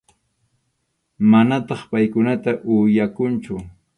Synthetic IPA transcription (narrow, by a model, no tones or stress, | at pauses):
manat̪ɑχpajkʊnat̪aʔʊjakʊnt͡ʃʊ